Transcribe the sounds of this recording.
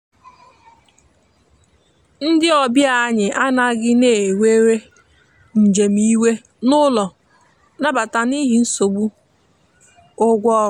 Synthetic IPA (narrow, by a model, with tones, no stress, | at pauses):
n̩˦dɪ˦ɔ˨bja˦˨a˦ɲɪ˨ʔa˦na˦ɡɪ˦ne˦˨we˦ɾe˦ | n̩˨d͡ʒe˨m̩i˦we˦ | nʊ˦lɔ˨ | na˦ba˨ta˨ni˦ɦɪ˨n̩˦so˨ɡ͡bu˦ | ʊ˦ɡʷɔ˦